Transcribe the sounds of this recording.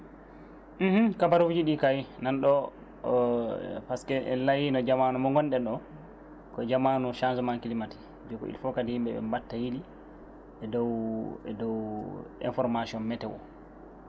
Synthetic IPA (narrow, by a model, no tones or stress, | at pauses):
m̩h̩kabaɾufd͡ʒiɗikajnanɗɔ | paskɛʔɛ̰lajinɔd͡ʒamanumɔŋɡɔnɗɛɗɔ | kɔɛd͡ʒamanuʃansɔmankilimati̥ | d͡ʒɛɡɔ̰ḭlfɔkadihimɓɛɓɛ̰mbatːajili | ɛdɔwɛdɔwɛ̰nfɔɾmasiɔnmɛtɛwɔ̰